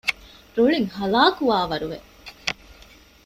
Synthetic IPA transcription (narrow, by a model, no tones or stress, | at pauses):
ɾuɭiŋhɐlaːkuʋaːʋɐɾuʋḛ